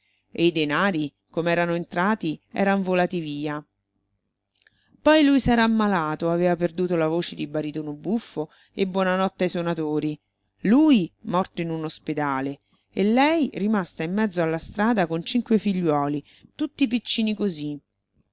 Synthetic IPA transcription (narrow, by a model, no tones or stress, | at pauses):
eid̪enaːɾi | komeɛːɾanoent̪ɾaːt̪iɛ̰ːɾaɱvolaːt̪iviːa | pɔjlujsɛːɾaːmːalaːt̪oaveːvaperd̪uːt̪olavoːt͡ʃed̪ibaɾit̪oːnobufːo | ebːwɔːnanɔt̪ːajsonat̪oːɾi | luːjmɔrt̪oinunosped̪aːle | elːɛjrimast̪aimːɛd̪zːoalːast̪ɾaːd̪akont͡ʃiŋkwefiʎːwɔːli | t̪ut̪ːip̬it͡ʃːiːnikozi